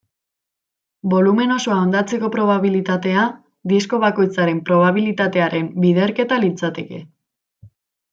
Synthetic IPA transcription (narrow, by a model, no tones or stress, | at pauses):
bo̞lume̞no̞so̞ao̞nd̪at͡se̞ko̞pɾo̞β̞aβilit̪at̪e̞a | d̪isko̞β̞ako̞jt͡saɾe̞mpɾo̞β̞aβ̞ilit̪at̪e̞aɾʔe̞mbiðe̞ɾke̞t̪alit͡sat̪e̞ke̞̰